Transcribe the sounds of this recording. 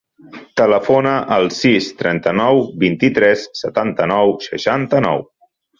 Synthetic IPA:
t̪ələfonəʔəlˠsist̪ɾɛnt̪ənɔwbint̪it̪ɾɛsːət̪ant̪ənɔwʃə̰ʃant̪ənɔ̰w

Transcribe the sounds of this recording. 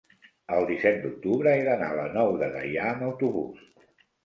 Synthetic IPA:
əlˠd̪isɛt̪̚d̪uk̚t̪uβɾəeðəna̰ələnɔwðəɣə̰jaəməwt̪uβṵs

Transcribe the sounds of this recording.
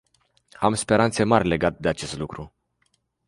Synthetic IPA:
amspe̞ɾant̪se̞marʲle̞ɡat̪ed̪e̞at͡ʃe̞st̪lukɾu

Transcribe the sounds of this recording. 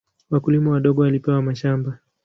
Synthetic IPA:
wakulimɔwaɗɔɠɔwalipɛwamaʃamba

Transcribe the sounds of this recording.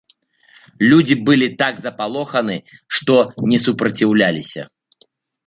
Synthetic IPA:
lʲud͡zʲibɨlʲit̪aɡzɐpalˠɔxɐnɨʂt̪ɔnʲɛsupɾɐt͡sʲiwlʲalʲisʲɐ̰

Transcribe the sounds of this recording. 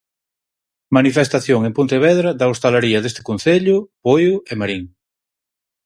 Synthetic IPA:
manifest̪aθjoŋempunt̪eβɛðɾɐðaost̪alaɾiɐðest̪ɪ̥kon̟θeʎʊpojʊemaɾiŋ

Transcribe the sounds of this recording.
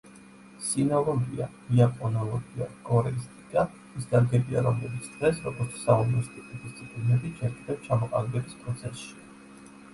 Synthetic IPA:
sinɔlˠɔɡia̰d̪iakʼɔnɔlˠɔɡia̰kʼɔɾɛist̪ʼikʼa | isd̪aɾɡɛbia̰ɾɔmlɛbit̪sʰd̪̥ʁɛsɾɔɡɔɾt̪sʰsaumnɔst̪ʼikʼid̪ist̪sʰʼipʼlinɛbid͡ʒɛɾkʼid̪ɛpst͡ʃʰamɔqʼa̰lɛbɛbispʼɾɔt̪sʰɛsʃi̥

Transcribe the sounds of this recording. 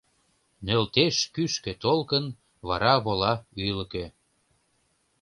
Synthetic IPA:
nølt̪eʃkyʃkĕt̪olkən | βɑɾɑβolɑyjlə̆kø

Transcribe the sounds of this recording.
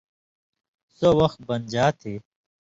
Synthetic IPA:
sowɐxt̪̚bɐnd͡ʑaːt̪ʰeː

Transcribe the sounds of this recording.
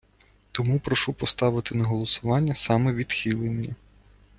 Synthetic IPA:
t̪ɔmupɾɔʃupɔst̪ɑʋɪt̪ɪnɐɦɔlˠɔsʊʋɑnʲːɐsɑmɛʋʲid̪xʲilˠenʲːi

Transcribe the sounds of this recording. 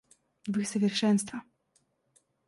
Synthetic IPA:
vɨxsɛvʲjɛɾʂɛnst̪fa

